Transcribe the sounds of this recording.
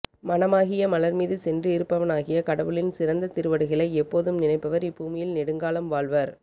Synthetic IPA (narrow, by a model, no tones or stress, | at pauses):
mɐnɐmaːɣɪjɐmɐlɐɾmiːðɯsɛndrɯɪɾɯpːɐʋɐnaːɣɪjɐkɐɽɐʋɯɭɪnsɪɾɐnd̪ɐt̪ɪɾɯʋɐɽɯɣɐɭɐɪɛpːoːðɯmnɪnɐɪpːɐʋɐɾɪpːuːmɪjɪlnɛɽɯŋɡaːlɐmʋaːɭʋɐɾ